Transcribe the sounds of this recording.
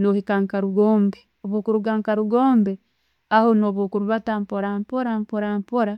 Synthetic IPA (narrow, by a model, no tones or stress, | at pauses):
nohikaŋkaɾuɡoːmbe | oβokuɾuɡaːŋkaɾuɡoːmbe | ahonoːβokuɾuβatampoɾampoɾampoɾampoɾa